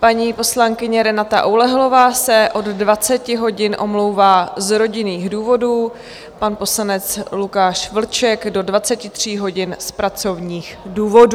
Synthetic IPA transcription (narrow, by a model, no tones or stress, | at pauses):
paɲiːpo̞slaŋkɪɲɛɾɛnat̪a̰ʔolɛɦlo̞vaːsɛʔo̞ddvat͡sɛcɪɦo̞ɟɪnʔo̞̰mlo̞wvaːzɾo̞ɟɪniːɣduːvo̞duː | panpo̞slanɛt͡slukaːʃvl̩t͡ʃɛɡdo̞dvat͡sɛcɪt̪r̝̥iːɦo̞ɟɪnspɾat͡so̞vɲiːxduːvo̞duː